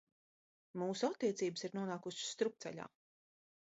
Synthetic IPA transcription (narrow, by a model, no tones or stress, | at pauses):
muːsuat̪ːiɛt̪siːbəsiɾnuɔnaːkuʃsːt̪ɾuk̚t̪sɛ̰ʎa̰ː